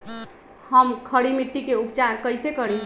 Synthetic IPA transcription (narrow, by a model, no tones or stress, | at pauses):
həmkʰəɽimiʈːikeupt͡ʃaɾkəjsekəɾi